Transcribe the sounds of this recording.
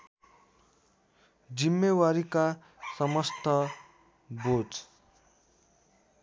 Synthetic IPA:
d͡zimːewaɾika | sʌmʌst̪ʰʌ | bod͡z

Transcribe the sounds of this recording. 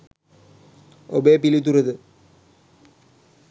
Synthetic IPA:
obeːpilut̪̬urɐðɨ

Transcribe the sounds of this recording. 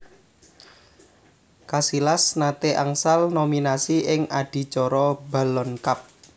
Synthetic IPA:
kasilasnat̪eʔaŋsalnominasiʔɪŋaɖ̥i̤t͡ʃɔɾɔba̤lɔnkap̚

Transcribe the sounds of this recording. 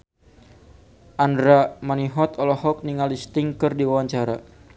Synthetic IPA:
ʔandɾamaniɦɔt̪ɔlɔhɔk̚niŋalist̪ɪŋkɨrdiwawaɲt͡ʃaɾa

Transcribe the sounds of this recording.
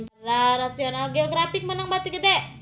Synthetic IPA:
təɾaɾat̪ianaɡeoɡɾafɪk̚mənaŋbat̪ikədɛ

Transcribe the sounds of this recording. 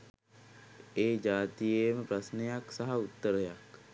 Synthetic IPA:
eːd͡ʒaːt̪ijeːməpɾasnejaksaɦaut̪ːəɾəjak

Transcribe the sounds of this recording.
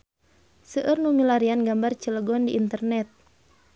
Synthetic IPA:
səʔərnumilaɾianɡambart͡ʃələɡɔndiʔːnt̪ərnɛt̪̚

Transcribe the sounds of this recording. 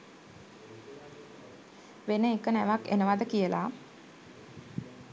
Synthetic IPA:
ʋenəekənæʋakḛnəʋad̪əkijəlʔa̰

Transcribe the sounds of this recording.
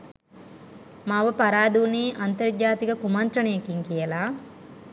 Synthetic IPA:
maʋəpaɾaːd̪uniːʔant̪ɐrd͡ʒaːt̪ikɐkumɐnt̪ɾɐɳijekiŋkijəlaː

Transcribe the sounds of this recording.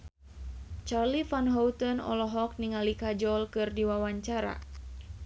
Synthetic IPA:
t͡ʃarlifanɦɔut̪ɔnɔ̰lɔɦɔk̚niŋalikad͡ʒɔlkɨrdiwawaɲt͡ʃaɾa̰

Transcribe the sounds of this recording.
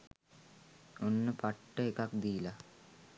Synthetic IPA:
onːəpɐʈːəekɐkd̪iːla

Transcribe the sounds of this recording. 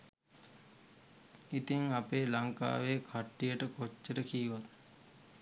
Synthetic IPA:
it̪iŋapeːlaŋka̰ːʋeːkʰaʈːijəʈəkot͡ʃːəɾəkiːʋat̪

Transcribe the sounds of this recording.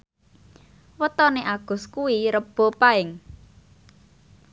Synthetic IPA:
wət̪ɔneʔaɡ̥ʊ̤skuiɾəb̥o̤paɪŋ

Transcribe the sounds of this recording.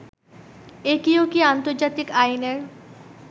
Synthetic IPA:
ekiokiant̪oɾd͡ʑat̪ikajneɾ

